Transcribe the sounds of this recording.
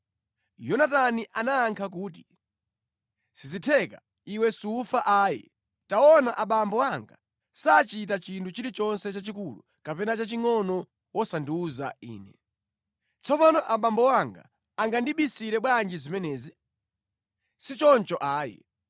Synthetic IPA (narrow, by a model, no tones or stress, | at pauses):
jɔnataniʔanaːŋkʰak̬uːt̬i̥ | sizitʰɛka | iwɛsiufaʔaːjɛ̰ | taɔnaʔaɓambɔwaŋɡa | sat͡ʃit̬at͡ʃintʰut͡ʃiɾit͡ʃɔnsɛt͡ʃat͡ʃikulṵ | kapɛnat͡ʃat͡ʃiŋɔnɔ | wɔsanduuza̰ḭːnɛ | t͡sʰɔpanɔʔaɓambɔwaŋɡa̰ | aŋɡandiɓisiɾɛɓwand͡ʒizimɛnɛːzi | sit͡ʃɔnt͡ʃɔʔaːjɛ̰